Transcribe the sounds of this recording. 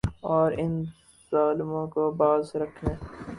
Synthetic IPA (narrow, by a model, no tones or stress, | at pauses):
ɔːɾɪn | z̥aːlmõːkobaːzɾɐkʰneː